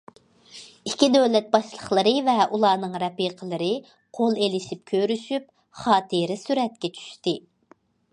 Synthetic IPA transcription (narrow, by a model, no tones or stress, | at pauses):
ikʲʰid̪øwlɛt̪̚bɑʃlˠəχlˠəɾɨvɛʔulˠɑːnɨŋɾɛpiqʰəlˠɨɾɨ | qʰolˠelɪʃip̚kʲʰøɾyʃyp | χɑːt̪ʰɨɾɪsyɾɛt̪̚kʲɛt͡ʃʰy̥ʃt̪ɨ